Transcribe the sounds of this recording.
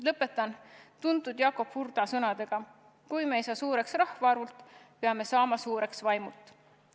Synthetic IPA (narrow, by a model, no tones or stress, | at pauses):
lɤpːˑe̞t̪ːˑɑnt̪und̪ud̪̥jɑːko̞pfurd̪ɑsɤnɑd̪̥e̞ɡ̥ɑ | kujmeejsɑːsuːɾe̞ksrɑhvɑɑɾult̪ːˑ | peɑme̞sɑːmɑsuːɾe̞ksvɑjmult̪ːˑ